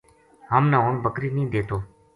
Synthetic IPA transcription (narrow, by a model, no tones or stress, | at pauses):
ɦəmnãːoːɳbəkɾiːnĩːd̪eːt̪oː